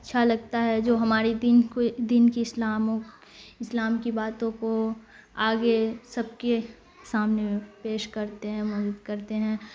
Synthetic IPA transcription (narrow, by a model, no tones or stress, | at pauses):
ɐtːʃʰalɐɡt̪aɦɛd͡ʒoːɦɐmaːɾid̪inked̪iːnkiɪslaːmõk | ɪslaːmkibaːt̪õko | aːɡesɐb̚ke | saːmnepeːʃkɐɾt̪eɦɛ̃mɔːd͡ʒuːd̪kɐɾt̪eɦɛ̃ː